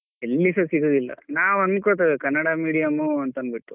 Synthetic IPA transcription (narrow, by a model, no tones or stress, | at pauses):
elːisɐsiɡod̪ilːɐ̰naːʋuɐnkoɭt̪aʋekɐnːɐɽamiːɽijamuɐnt̪ɐnbiʈːu